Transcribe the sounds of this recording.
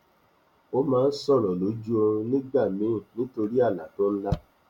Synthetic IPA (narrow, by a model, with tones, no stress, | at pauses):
o˦mãː˨˦˧n̩˦sɔ˦˨ɾ̃ɔ̃˨lo˨˦d͡ʒu˦o˧nĩ˦ɡ͡ba˦˨mĩ˨˦˨nĩ˦to˧ɾi˦a˦˨la˨to˦n̩˦la˦